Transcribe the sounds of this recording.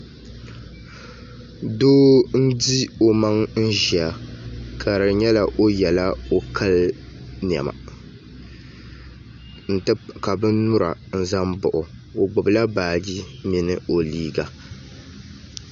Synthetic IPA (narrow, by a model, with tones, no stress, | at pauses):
doː˦n̩˦di˦o˨ma˦ŋn̩˦ʒi˨a˨kʰa˨ɾɨ˨ɲɛ˦la˨ʔo˦jɛ˨la˦o˨kʰa˦ln˨a̰˨ma̰˨ | n̩˦tɨ˦ka˨bɨ˦n˦nʊ˦ɾa̰˨n̩˦za˦mbʊ˨ʔʊ˨ | o˨ɡ͡bʊ˨bɨ˨la˦baː˨di˦mi˨nɨ˦o˨liː˦ɡa˨